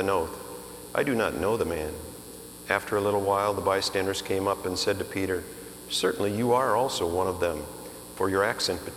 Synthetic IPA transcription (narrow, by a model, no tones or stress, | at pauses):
ɨ̃noʊθ | ʔa̰ɪdɨnə̰tⁿnoʊðəmæ̃n | æftʰə˞əlɪɾl̩ˠwaɪlˠðəbaɪstæ̃ndə˞z̥kʰẽɪ̃mʌpɨ̃nsɛd̚tɨpʰiɾə˞ | sɜ˞ʔn̩lijɨə˞ɔlˠsoʊwʌ̃ñʌvðə̃m | fə˞jə˞æksɛ̃nb̥ɨ